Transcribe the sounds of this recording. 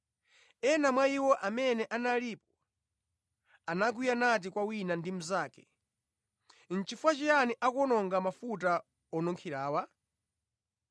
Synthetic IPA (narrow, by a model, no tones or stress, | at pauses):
ɛnamwaiwɔʔamɛnɛʔanaliːpɔ̥ | anaɡwijanat̬ikwawinandim̩zaːkɛ | n̩t͡ʃifuat͡ʃijaniʔakɔnɔŋɡamafuta | ɔnɔŋkʰiɾaːwa